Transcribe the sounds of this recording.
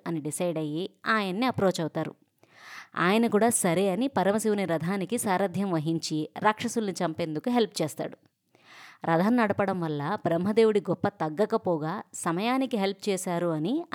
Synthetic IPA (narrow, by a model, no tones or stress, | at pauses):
ɐniɖisɐjɖɐjiaːjɐnːiɐpɾo̞ːt͡ʃɐwt̪aːɾṵ | a̰ːjɐnɐkuːɽaːsɐɾeːɐnipɐɾɐmɐsiʋuniɾɐd̪ʱaːnikisaːɾɐd̪ʱjɐmʋɐɦiɲt͡ʃiɾaːkʂɐsulɐnit͡ʃɐmpe̞ːnd̪ukuɦe̞lp̚t͡ʃɛːst̪a̰ːɽu | ɾʔɐd̪ʱɐnːɐɽɐpɐɽɐmʋɐlːɐbɾɐmɦɐd̪e̞ːwuɽiɡɔpːɐt̪ɐɡːɐkɐpɔːɡaːsɐmɐjaːnikiɦe̞lp̚t͡ʃɛːsaːɾuɐni